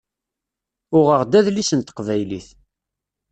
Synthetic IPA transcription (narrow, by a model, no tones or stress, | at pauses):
ʊʁəʁd̪æðlisənt̪ə̥qvæjliθ